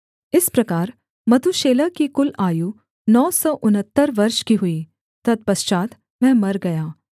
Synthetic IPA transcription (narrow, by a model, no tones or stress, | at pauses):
ɪspɾɐkaːɾ | mɐt̪uʃeːlakikʊlaːju | nɔːsɔːʔʊnət̪ːəɾʋɐɾʃkiɦʊiː | t̪ɐd̪̚pɐst͡ʃaːt̪ | mɛ̃ːmɐɾɡɐjaː